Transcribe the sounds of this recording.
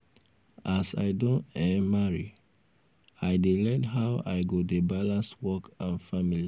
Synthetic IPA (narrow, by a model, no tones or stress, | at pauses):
ʔasa̰ɪdõnɛmaɹi | aɪdelɛdɦaʊʔa̰ɪɡodebalãnswɔkãnfamili